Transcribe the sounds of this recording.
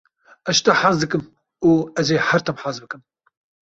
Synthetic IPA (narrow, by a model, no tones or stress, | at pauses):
ɛʃt̪ɐħaːzd̪ɨkɨm | uːɛzeːħɐɾt̪ɐmħaːzbɨkɨm